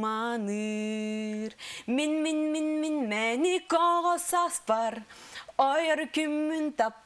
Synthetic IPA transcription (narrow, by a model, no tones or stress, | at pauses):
mɑnɯ | ɾminminminminmɛnikɔʁɔsɑspɑɾɔjɔɾkymːynt̪ɑp